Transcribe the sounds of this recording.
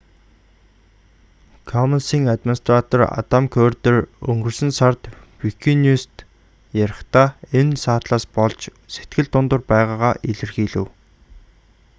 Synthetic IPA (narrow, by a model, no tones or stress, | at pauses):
kʰɔmansiːŋat̪mʲinst̪rat̪ɔra̰t̪amkʰœːrt̪ɘ̆rɵ̰ŋɡɵ̆rsɘ̆nsart̪ | wikʰinuːst̪ | jaɾə̆χt̪aːensaːt̪ɮaːspɔɮt͡ɕ | se̥t̪ɡɘ̆ɮt̪ːʊnt̪ʊ̆rpæːʁaːʁaːʔiɮɘ̆rxiːɮɘ̆w